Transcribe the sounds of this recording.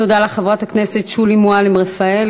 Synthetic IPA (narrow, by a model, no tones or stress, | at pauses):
odaleχevʁathaknese̞t̪ʃulimualimʁefael